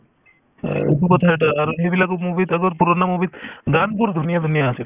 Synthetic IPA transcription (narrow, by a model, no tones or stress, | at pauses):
ḛkukɔt̪ʰaɛʈaːɾɦebilakumubit̪aɡɔɾpuɾɔnamubit̪ɡanpuɾd̪ʱunijad̪ʱunijaːsi